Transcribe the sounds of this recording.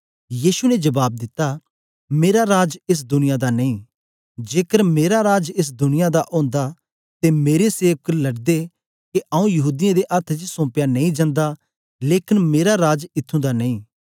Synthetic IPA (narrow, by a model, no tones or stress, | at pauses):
jiːʃuned͡ʒɐbaːb̚d̪ɪt̪ːa | meːɾaɾaːd͡ʒɪs̬d̪ʊnɪjad̪anɐĩ | d͡ʒeːkəɾmeːɾaɾaːd͡ʒɪs̬d̪ʊnɪjad̪aʔõːnd̪a | t̪emeːɾeseːklɐɽd̪e | keʔɐũjɐɦuːd̪ɪjãd̪eʔat̪ʰt͡ʃsõːpjanɐ̃ĩd͡ʒãːnd̪a | leːkɪnmeːɾaɾaːd͡ʒɪt̪ʰːũd̪aneĩː